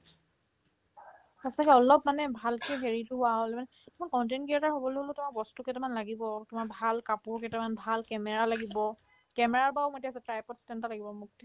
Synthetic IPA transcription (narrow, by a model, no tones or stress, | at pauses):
xastakɛɔlɔp̚manɛbʱalkɛɦeɹitʊaɦolɛmanɛ | tʊmakɔnt̬enɡiataɹɦobɔloɦlʊtʊmaɹbɔstukɛtɛmanlaɡibɔtʊmabʱalkapʊɹkɛtɛmanbʱalkɛmɛɹalaɡibɔ | kɛmɛɹaɹbaʊmotiasɛtɹajpɔtstɛntalaɡibɔmuk̚t